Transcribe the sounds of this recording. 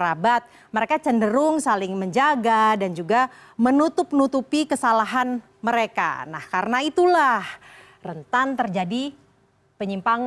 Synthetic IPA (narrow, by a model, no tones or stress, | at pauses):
ɾabat̪̚ | məɾekat͡ʃəndəɾʊŋsalɪŋməɲd͡ʒaɡadand͡ʒuɡa | mənut̪ʊp̚nut̪upikəsalaɦan | məɾeka̰na̰hkaɾənait̪ulah | rənt̪ant̪ərd͡ʒadi | pəɲimpaŋ